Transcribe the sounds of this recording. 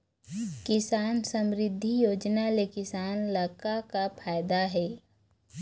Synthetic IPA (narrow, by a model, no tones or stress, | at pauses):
kɪsaːnsəmɾɪd̪ʱːijoːd͡ʒnalekɪsaːnlaːkakapʰaːjd̪aɦɛː